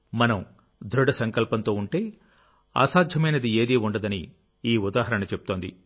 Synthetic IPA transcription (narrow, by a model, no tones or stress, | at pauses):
mɐnɐm | d̪ʱɾuɽɐsɐŋkɐlpɐnt̪o̞ːuɳʈe̞ː | a̰ːsaːd̪ʱjɐmɐjnɐd̪ieːd̪iːuɳɖɐd̪ɐni | iːud̪aːɦɐɾɐɳɐt͡ʃeput̪o̞ːnd̪ḭ